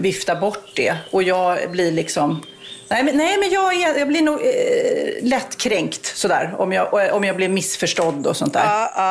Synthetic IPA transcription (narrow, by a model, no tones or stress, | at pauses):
vɪft̪abɔʈːd̪ɛ̰ɔjɑːɡblɪɭɪksɔm | nɛmɛnnɛɪmɛnjɑːɡɛɛjɑːblɪnuːɡ | lɛt̪ːkʰɾɛŋkt̪sɔd̪æ̰ːɾɔ̰mjɑːʔɔmjɑːɡblɪvmɪsfœʂʈɔd̪ːɔsɔnt̪æ̰ːɾ